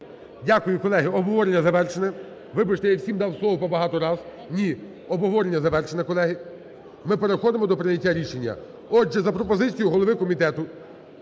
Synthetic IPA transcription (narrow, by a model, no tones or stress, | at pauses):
dʲakʊjʊkɔlˠɛɦɪɔbɔʋɔɾʲenʲːɐzɐʋɛrt͡ʃenɛ | ʋɪbɪʃt̪ɛjawsʲimd̪ɑwslˠɔʋɔpɔbɐɦɑt̪ɔɾɑz | nʲi | ɔbɔʋɔɾʲenʲːɐzɐʋɛrt͡ʃenɛkɔlˠɛɦɪ | mɪpeɾexɔd̪emɔd̪ɔpɾɪnʲɐtʲːaɾʲiʃenʲːɐ̰ | ɔd͡ʒʒɛzɐpɾɔpɔzɪt͡sʲijʊɦɔlˠɔʋɪkɔmʲit̪ɛt̪ʊ